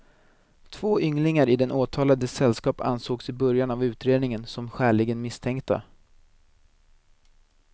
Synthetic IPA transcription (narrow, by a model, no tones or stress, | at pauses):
t̪ʰv̥oːʔʏŋlɪŋaɾɪd̪ɛnʔoːt̪ʰɑːlad̪əsɛlːskɑːpa̰nsoːɡsɪbœɾjanavʉ̟ːt̪ɾeːd̪nɪŋənsɔmɧæːɭɪɡənmɪst̪ʰɛŋkt̪ʰa̰